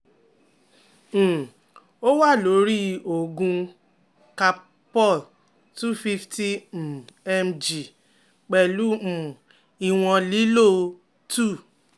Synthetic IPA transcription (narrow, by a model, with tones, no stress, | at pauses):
m̩̃˨ | o˦wa˦˨lo˨˦ɾi˦o˨ɡũ˧ | ka˧ | pɔ˦˨l | tu˦˨fi˦fti˦m̩˨ɛ˧md͡ʒi˨ | k͡pɛ˨lu˨˦m̩˨ | i˧w̃ɔ̃˧li˦lo˦ | tu˦˨